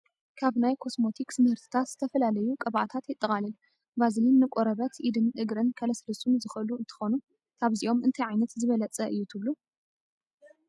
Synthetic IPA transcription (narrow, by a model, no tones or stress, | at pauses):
kʰaβnajkʰo̞smo̞t̪ʰikʼsmɨhɨɾt̪ʰɨ̥t̪ʰat̪z̥ɨt̪ʰɐfɐlalɐjukʼɐβʔat̪ʰat̪jɪt̪ʼːɐχʼalɐl | bazɨlinːɨkʼoɾɐβɐt̪ʰʔid̪ɨnʔɨɡɾɨnkʰɐlɐslɐsunzɨxʔɨluɨnt̪ʰɨ̥xo̞nu | k̪ʰaβziʔo̞mɨnt̪ʰɐjʕajnɐt̪zɨβɐlɐt͡sʼɐʔɨjːut̪ʰɨβlu